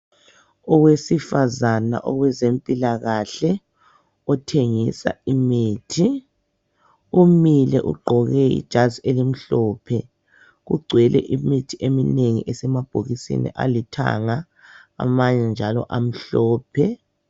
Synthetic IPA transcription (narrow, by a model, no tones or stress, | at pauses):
ɔwesifazana̰ʔɔɣwɛzempʼilaɣaɬɛ | ɔtʰeŋisa̰imiːtʰi | umilɛʔṵɡ͡ǃʱɔɣɛḭd̥ʒ̥ʱazielim̩ɬɔːpʰɛ | ɣṵɡ͡ǀʱwɛlʔɛ̰ʔimitʰiʔemineŋḭʔɛsɛmab̥ʱoɣisḭnḭʔa̰litʰa̰ŋa | a̰maɲɛnd͡ʒʱalɔ̰ʔam̩ɬɔːpʰɛ